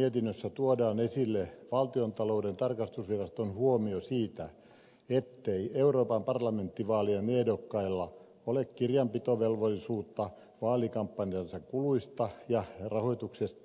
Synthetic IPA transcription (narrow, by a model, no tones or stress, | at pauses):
iet̪inːøsːæt̪uodɑːnesilːeʋɑlt̪iont̪ɑloudent̪ɑrkɑst̪usʋirɑst̪onhuomiosiːt̪æ | et̪ːeieuroːpɑmpɑrlɑment̪ːiʋɑːliemedokːɑilːɑ | olekkirjɑmpit̪oʋelʋolːisuːt̪ːɑ | ʋɑːlikɑmpːɑnjɑnsɑkkuluist̪ɑjɑrɑhoit̪uksest̪